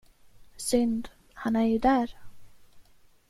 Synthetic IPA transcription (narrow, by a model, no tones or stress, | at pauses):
sʏnd̪ | hanæɾjɵd̪æːɾ